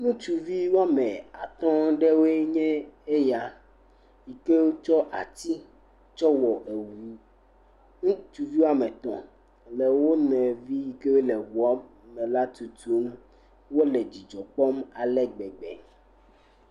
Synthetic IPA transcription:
nũ˦t͡ʃu˨vi˦wa˦mɛ̃˨a̰˨t̪ɔ̃˦ɖe˦we˦ɲɛ̃˦e˦ja˨ | ji˨ke˦wo˦t͡ʃɔ˦ʔa̰˨t̪i˦ | t͡ʃɔ˦wɔ˨ʔe˨wu˨˦ | nũ˦t͡ʃu˨vi˦wo˦a˦mɛ̃˨t̪ɔ̰̃˨ | le˨wo˦nɛ̃˨vi˦ji˨ke˦we˦lɛ˨wu˨ɔ˦mɛ˨la˦t̪u˨t̪u˦m | wo˦lɛ˨d͡ʑi˨d͡ʒɔ˨k͡pɔ˦ma˨lɛ˦ɡ͡bɛ˨ɡ͡bɛ̰˨

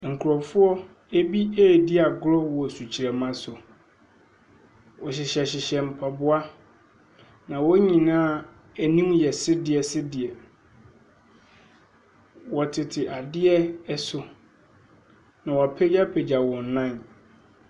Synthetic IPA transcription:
ŋ̩˨kʰu˨ɾɔ˨fʊ˦ɔ˦ | e˦bi˦e˦˨di˦a˨ɡʊ˦ɾɔ˦wɔ˨su˨t͡ɕʰi˨ɾɛ˨mã˦sʊ˨ | wɔ˨ɕ̬ɪ˨ɕɛ˨ɕɪ˨ɕɛ˨m̩˨pʰa˨bʊ˦a˦ | nã˨wɔ˦ɲĩ˨nãː˦ | æ˨nũ˦m˦jɛ˨sɪ˦dɪ˨ɛ˨sɪ˦dɪ˨ɛ˨ | wɔ˨tʰɪ˨tʰɪ˨ʔa˨dɪ˦ɛ˦ɛ˦sʊ˨ | nã˨wa˨pʰɛ˦d͡ʑa˦pʰe˨d͡ʑa˨wɔ̃˨n˨nã˦˨n

